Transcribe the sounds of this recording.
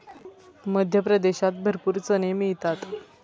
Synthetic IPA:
məd̪ʱjəpɾəd̪eɕat̪̚bʱəɾpuːɾt͡sənemiɭt̪at̪

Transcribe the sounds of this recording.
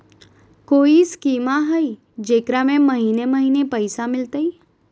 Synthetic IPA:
koːiskiːmaɦəi | d͡ʒeːkɾamẽməɦiːneməɦiːnepəɪsamɪlt̪əi

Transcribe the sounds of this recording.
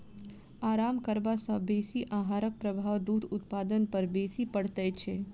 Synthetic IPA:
aːɾaːmkəɾbasɔ̃beːsiʔaɦaɾək̚pɾəbʱaːʋd̪ud̪ʊt̪paːd̪ənpəɾbeːsipəɽt̪əjt͡ʃʰe

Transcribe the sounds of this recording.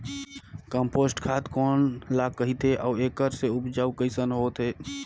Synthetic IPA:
kəmpoːsʈkʰat̪kɔːnlakːəɦit̪ɦeʔɔːeːkəɾseʊpd͡ʒaːukəɪsənɦoːt̪ɦeː

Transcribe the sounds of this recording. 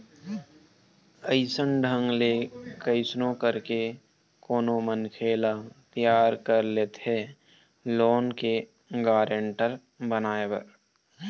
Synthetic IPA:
əɪsənɖʱə̃ŋɡlekəɪsnõkəɾke | koːnomənkʰeːlat̪jaːɾkəɾleːt̪ɦe | loːnke | ɡaːɾeɳʈəɾ | bənaːebə̰ɾ

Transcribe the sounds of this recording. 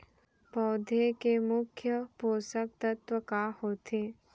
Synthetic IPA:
pɔːd̪ʱekemʊkʰjəpoːsək̚t̪ət̪wəkahoːt̪ʰeː

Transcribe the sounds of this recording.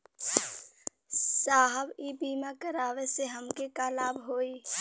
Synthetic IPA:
saːɦəbiːbiːmakəɾaːʋeseɦəmkekalaːbʱɦoːiː

